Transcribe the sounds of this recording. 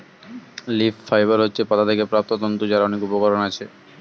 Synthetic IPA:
liffajbaɾɦotːɕʰepɔt̪ʰat̪ʰekepɾap̚t̪od̪ɔnt̪od͡ʑaɾaɔnekupokɔɾonat͡ɕʰe

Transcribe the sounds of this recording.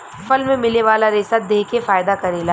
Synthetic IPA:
fɐlmẽmɪleʋaːlaɾɪsad̪eːkefaːjd̪akɐɾeːla

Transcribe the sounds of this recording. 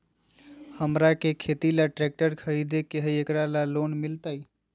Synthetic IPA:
həmɾakekʰet̪ilaʈɾɛk̚ʈəɾkʰəid̪ekeɦəiekɾalalonmilt̪əj

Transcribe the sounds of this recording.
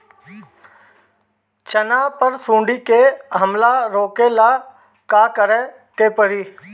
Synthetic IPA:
t͡ʃənaːpəɾsũːɳɖiːkeːɦəmlaːɾoːkelaː | kaːkəɾɛː | keːpəɾiː

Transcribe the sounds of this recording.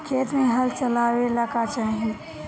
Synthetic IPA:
kʰeːt̪mẽɦɐlt͡ʃəlaːwelakat͡ʃaːɦie

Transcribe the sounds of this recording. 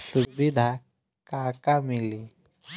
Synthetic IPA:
suʋid̪ʱa | kaːkamili

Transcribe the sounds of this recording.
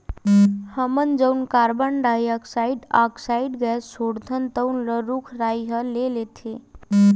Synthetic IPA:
həmənd͡ʒəwnkaɾbənɖajəksaiɖa̰ksaiɖɡɛsoɽd̪ʱənt̪əʊnləɾukʰɾajɦəlelet̪ʰe

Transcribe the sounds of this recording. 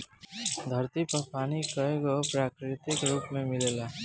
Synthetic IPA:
d̪ʱʌɾt̪ipəpʰanikəeɡopɾakɾit̪ikɾupmemilela

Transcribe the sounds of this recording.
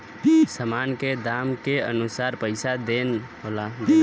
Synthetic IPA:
səmaːnked̪amkeə̰nusaːɾpəɪsad̪enɦola

